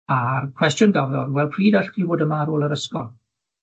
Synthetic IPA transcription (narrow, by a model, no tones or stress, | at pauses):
arkʰw̥ɛstjʊnɡavðɔrwɛlˠpʰriːdaɬtʰiboːdəmaɾoːlˠəɾəskɔlˠ